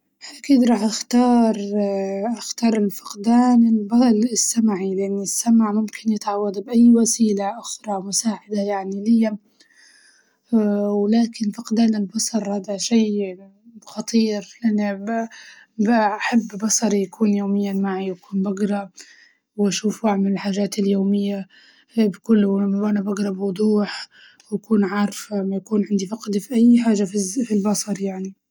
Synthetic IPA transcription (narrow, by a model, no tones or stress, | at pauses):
hʔakiːd̪ɾˤɑːħʔaxt̪ɑːɾˤʔaxt̪ɑːɾˤɪlfɪ̥qd̪aːnɪlbɑlɪsːamʕilɪʔanːɪsːamʕmʊmkʰɪnjɪt̪ʕawːad̪bʔajːwasiːlaʔʊxɾˤɑmʊsaːʕad̪ajaʕnilɪjːa | wɪlaːkɪnfɪqd̪aːnɪlbɑsˤɑɾˤhaːd̪aʃaː | xɑt̪ˤiːɾʔanːa | baħabːbɑsˤɑɾijakʰuːnjoːmɪjːamaʕiwakuːnbaɡɾˤɑ | waʃuːfwaʕmɪlɪlħaːʒaːt̪ɪljoːmɪjːa | bkʊlːmawʔanabaɡɾˤɑbwʊd̪ˤuːħ | wakuːnʕɑːɾˤfamajakuːnʕɪnd̪ifɑqd̪ifiʔajːħaːʒafifilbɑsˤɑɾˤjaʕni